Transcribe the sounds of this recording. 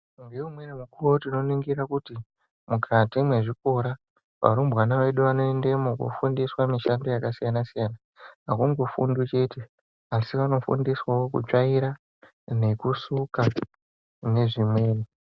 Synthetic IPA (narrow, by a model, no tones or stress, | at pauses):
ŋɡeumweremukuotino̞niŋɡiɾakuti | mukʰatimwe̞ʐiko̞ɾa | ʋa̰ɾumbɣanaʋe̞ɗuʋano̞ende̞mokṵfundiswamiʃandojakasijanasijana | ɦakuŋɡo̞fṵndut͡ʃe̞te̞ | asiʋano̞fṵndiswawokṵt͡ʂaiɾa | ne̞kusuka | ne̞ʐimwe̞ːni